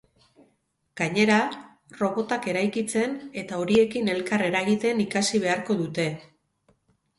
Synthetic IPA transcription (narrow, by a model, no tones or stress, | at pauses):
ɡ̥aɲe̞ɾa | ro̞βo̞t̪ake̞ɾajkit͡se̞ne̞t̪ao̞ɾie̞kine̞lkare̞ɾaeɣit̪e̞nikasiβ̞e̞aɾko̞ðut̪e̞